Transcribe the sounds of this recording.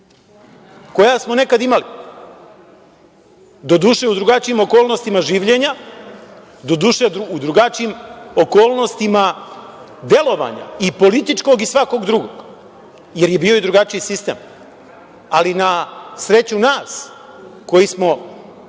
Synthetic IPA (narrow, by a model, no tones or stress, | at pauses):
ko̞jasmo̞ne̞kad̪imali | d̪o̞d̪uːʃe̞ud̪ɾuɡat͡ʃiimo̞ko̞ːlˠnost̪imaʒiːʋʎe̞ɲa | d̪o̞d̪uʃeud̪ɾuɡat͡ʃiimo̞ko̞ːlˠnost̪ima | d̪e̞lo̞ʋa̰ɲa̰ipo̞lit̪it͡ʃko̞ɡisʋako̞ɡd̪ɾuɡo̞̰ɡ̥ | je̞ɾje̞biːo̞id̪ɾuɡat͡ʃijisist̪e̞ːm | alinasɾe̞t͡ɕunaːs | ko̞jismo̞